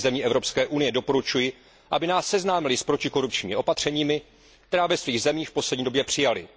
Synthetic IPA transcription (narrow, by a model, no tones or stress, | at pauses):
zɛmɲiːʔɛvɾopskɛːʔunɪjɛdo̞po̞ɾut͡ʃujɪ | ʔabɪnaːsːɛznaːmɪlɪspɾo̞cɪko̞ɾup̚t͡ʃɲiːmɪʔo̞pat̪r̝̥ɛɲiːmɪ | kt̪ɛɾaːvɛsviːɣzɛmiːxfpo̞slɛdɲiːdo̞bjɛpr̥ɪjalɪ̰